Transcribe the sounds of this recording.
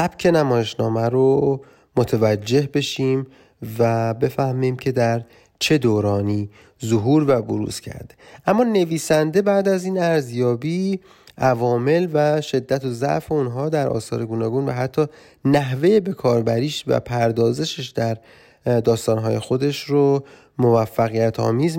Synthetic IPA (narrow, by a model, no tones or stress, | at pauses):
sæb̥cʰe̞næmɒːje̞ʃnɒːmæɾo | mot̪ʰevæd͡ʒːe̞hbe̞ʃiːm | væbe̞fæhmiːmcʰe̞d̪æɾ | t͡ʃʰe̞d̪oːɾɒːniː | zoɦuːɾvæboɾṵːz̥cʰæ̰ɾd̪̥eʔæmːɒːne̞viːsænd̪e̞bæːd̪æziːnæɾzjɒːbiː | ʔævɒːme̞lvæʃe̞d̪ːæt̪ʰozæ̰ʔfe̞unɦɒːd̪æɾʔɒ̰ːsɒ̰ːɾe̞ɡuːnɒːɡuːnvæɦæt̪ʰːɒː | næɦve̞jebe̞kʰɒːɾbæɾiːʃvæ̰pʰæɾd̪ɒːze̞ʃeʃd̪æɾ | d̪ɒːst̪ɒːnɦɒ̰ːje̞xo̞d̪e̞ʃɾo | mo̞væfːæɣijæt̪ʰɒ̰ːmiːz